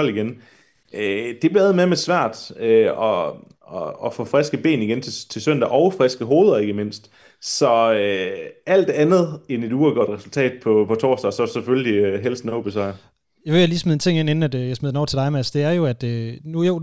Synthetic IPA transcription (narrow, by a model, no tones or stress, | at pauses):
ɒl̰iɡ̥en | ød̥e̝b̥liæð̞̩ˠmeɐmesʋæɐ̰d̥øɒ | ɒːfɔ̰fʁɛsɡ̥əb̥e̝̰ːniɡ̥ent͡sʰe̝t͡sʰe̝lsøn̰d̥æʔɒʊfʁɛsɡ̥əɦo̝ːð̞̩ˠɐe̝ɡ̥əme̝n̰sd̥ | sɒ̽øæl̰d̥e̝ænð̞̩ˠene̝d̥uːɐɡ̥ɒɐd̥ʁɛsult͡sʰɛ̰ːd̥̚pʰɒpʰɒ̽t͡sʰɒ̰ːsd̥ɐːsɒ̽sefølliɦelsn̩oʊb̥isɑɪ | jʋeæliːsmeðˠent͡sʰe̝ŋ̰en̰en̩æd̥jɑ̈ɪsmeðˠenɒʊ̰t͡sʰe̝ld̥ɑ̈ɪmæsd̥e̝æɐjo̝æd̥ønujoʊ